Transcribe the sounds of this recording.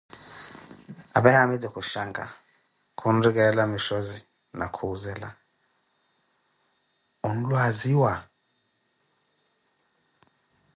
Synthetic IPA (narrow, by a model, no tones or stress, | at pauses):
aɓajamɛdɛkʰuʃaŋɡa̰ | kʰun̩rik̬ɛlamiʃɔzi | na̰kʰuzɛːla̰ | un̩lwaziwa